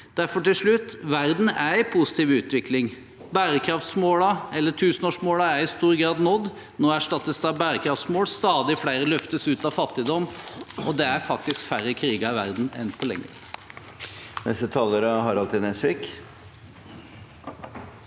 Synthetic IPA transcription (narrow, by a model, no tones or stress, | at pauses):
d̪̥æɾfɔʈɪlʂɭʉt̪ːʋæɾd̪n̩æɾpʰusɪ̥t̪iːʋʉːt̪ʋɪkʰlɪŋ | bæːɾəkʰɾɑft̪smoːlɑɛlːəʈʰʉːsənoːʂmoːlɑæɾɪst̪uːɾɡɾɑːd̪nɔd̪ | noːæʂʈɑt̪ːəsd̪ɑbæːɾəkʰɾɑft̪smoːlst̪ɑːd̪ɪflæɪɾəlœft̪əsʉːt̪ɑʋfɑt̪ːɪd̪ɔmːɔd̪ɛæɾfɑk̚t̪ɪskfæɾəkʰɾiːɡɑɪʋæɾd̪n̩ɛ̰npʰɔlɛ̰ŋːəɾ | nɛ̰st̪ət̪ʰɑːləɾəhɑɾɑlt̪ɪd̪nɛsʋɪk